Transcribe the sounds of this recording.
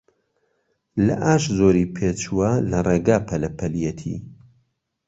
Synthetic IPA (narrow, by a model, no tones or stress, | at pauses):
lɐ̰ʔaːʃzoːɾiːpʰeːt͡ʃuwɐlɐreːɡaːpʰɐlɐpʰɐlijɛt̪ʰḭː